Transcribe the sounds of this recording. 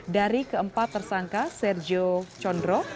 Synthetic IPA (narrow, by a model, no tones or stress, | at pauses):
daɾikəəmpat̪ːərsaŋkasɛrd͡ʒot͡ʃɔndɾɔ